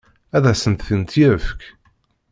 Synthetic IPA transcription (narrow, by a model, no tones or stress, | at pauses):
æðæsənt̪θənt̪jæfk